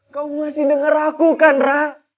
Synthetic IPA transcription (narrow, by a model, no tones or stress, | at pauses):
kawmasɪhdəŋərlakukanra